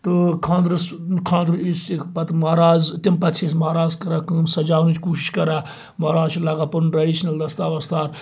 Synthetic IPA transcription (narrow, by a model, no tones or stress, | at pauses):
t̪ɨkʰãːnd̪ɾɨskʰãːnd̪ɾɨisikpɐt̪maːɾaːzt̪impɐt̪t͡ʃʰismaːɾaːzkɐɾakɨːmsɐd͡ʒaːnut͡ʃʰkuːʃi̥ʃkɐɾa | maːɾaːzt͡ʃʰulaɡapɐnʈɾɐɖit͡ʃʰnɐld̪ɐst̪aʋɐst̪aːɾ